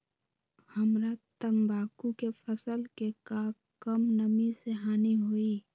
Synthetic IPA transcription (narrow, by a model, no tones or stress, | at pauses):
həmɾat̪əmbʱaːkukepʰəsəlkekaː | kəmnəmiseɦaːniɦoiː